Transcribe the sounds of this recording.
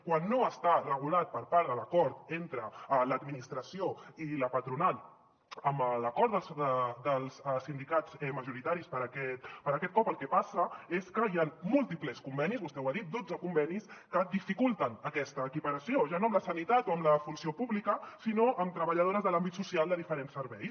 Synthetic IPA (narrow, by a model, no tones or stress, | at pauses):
kwanːoəst̪arəɣ̞ulat̪̚pəɾpaɾðələkɔɾt̪ent̪ɾələd̪minist̪ɾəsioiləpət̪ɾunal | əmbələkɔɾt̪d̪əlˠsd̪əlˠsəsind̪ikat͡sɛməʒuɾit̪aɾispəɾəkɛt̪pəɾəkɛt̪̚kɔpəlˠkɛpasəeskəianmulˠt̪ipləskumbɛnizβust̪ɛwaðit̪̚d̪od͡zəkumbɛniskəd̪ifikulˠt̪ənəkɛst̪əːkipəɾəsioʒanoəmləsənit̪at̪oəmləfunsiopuβlikəsinoʔəmt̪ɾəβəʎəð̞oɾəzðəlambit̪susialˠd̪əðifəɾensːəɾβɛjs